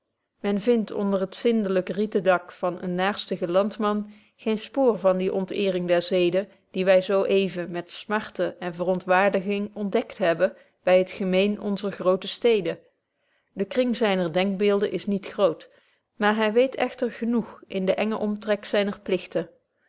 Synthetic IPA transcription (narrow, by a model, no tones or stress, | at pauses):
mɛnvɪntʰɔ̰ndərɦətsɪndələkritədɑkfɑnə̰nːaːɹstəɣəlɑntmɑn | χejnspʊːrvɑndiʔɔntɪːrɪŋdɛɹzejdə | d̥iʋɛjzowʔejvəmɛtsmɑɹtəʔɛnvərɔntʋaːɹdəɣɪŋɔndɛktɦɛbə | bɛjɦətχəmejnɔnzəɹχrowtəstejdə | dəkrɪŋzɛjnəɹdɛŋk̚bɪːlˠdənʔɪsnitxrowt | maːɹɦɛjʋejtʰɛ̰χtəɹχənuxʔɪndəʔɛŋəʔɔmtrɛksɛjnəɹplɪxtə